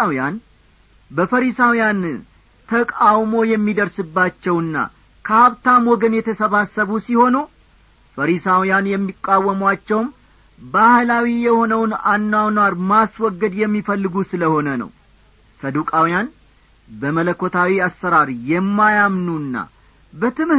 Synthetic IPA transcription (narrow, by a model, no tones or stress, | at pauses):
wjan | bəfəɾisawijan | t̪ʰəkʼawmo̞jɛmːid̪əɾsɨbːat͡ʃːɛwɨnːa̰ | kʰəaβt̪ʰamwɔɡənjɛt̪ʰəsəβasːəβusiho̞nu | fəɾisawijanjɛmːikʼːawːəmwat͡ʃːɛwm | bahlawijɛho̞nəwnanːawnwaɾmaswɔɡːəd̪jɛmːifəlːɨɡusɨləho̞nənə̰w | səd̪ukʼawijan | bəmələkːo̞t̪ʰawiasːəɾaɾjɛmːajamnunːa̰ | bət̪ʰɨm